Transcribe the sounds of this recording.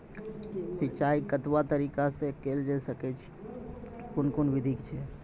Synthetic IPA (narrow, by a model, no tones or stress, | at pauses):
sɪt͡ʃaikət̪ʋat̪əɾikasekeld͡ʒesəkɛt͡ʃʰi̥ | kʊnkʊnʋɪd̪ʱikt͡ʃʰɛ